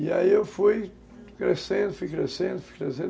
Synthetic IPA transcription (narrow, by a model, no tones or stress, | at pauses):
ia̰iewfuj | kɾesẽnd̪ʊfujkɾesẽnd̪ʊfu̥jkɾesẽ